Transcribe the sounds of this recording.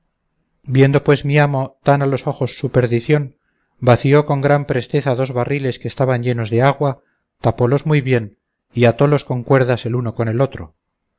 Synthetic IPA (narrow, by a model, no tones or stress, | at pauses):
bje̞nd̪o̞pwe̞zmiamo̞t̪analo̞so̞xo̞sːupe̞ɾðiθjo̞n | baθio̞ko̞ŋɡɾampɾe̞st̪e̞θaðo̞zβarile̞skeːst̪aβaɲʎe̞no̞zðe̞aɣwa | t̪apo̞lo̞zmujβje̞n | iat̪o̞lo̞sko̞ŋkwe̞ɾðase̞luno̞ko̞ne̞lo̞t̪ɾo